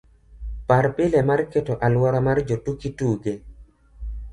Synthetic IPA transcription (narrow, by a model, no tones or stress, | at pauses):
paɾpɪlɛmarketoʔalwɔɾɔmard͡ʒotukituɡe